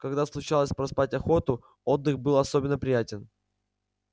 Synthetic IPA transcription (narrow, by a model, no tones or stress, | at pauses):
kɐɡd̪aslˠʊt͡ɕalˠəsʲpɾɐspatʲɐxo̞t̪ʊ | o̞d̪ːɨxbɨlˠɐso̞bʲɪnːəpɾʲɪjætʲɪn